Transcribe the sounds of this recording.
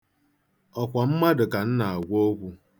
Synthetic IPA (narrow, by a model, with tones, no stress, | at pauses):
ɔ˨kʷa˨m̩˦ma˦dʊ˨ka˨n̩˦na˨a˨ɡʷo˦kʷu˦